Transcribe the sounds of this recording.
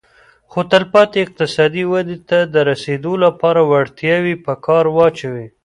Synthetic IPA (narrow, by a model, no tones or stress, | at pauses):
xot̪alpɑt̪eɪq̚t̪ɪsɑd̪iwad̪et̪ad̪əɾased̪olapɑɾawaɽt̪jɑwipəkʰɑɾwɑt͡ʃawi